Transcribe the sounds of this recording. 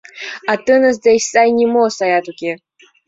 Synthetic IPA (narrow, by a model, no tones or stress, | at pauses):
at̪ɨnəz̬d̪ajsajnʲimosajat̪ukʲe